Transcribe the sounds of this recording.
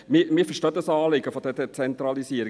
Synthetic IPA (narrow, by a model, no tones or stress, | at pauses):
mɪmɪːɾfəʃtœːt̪əsɑːlɪɡəfɔd̪ɛdɛt͡sɛnt̪ɾɑlisiəɾi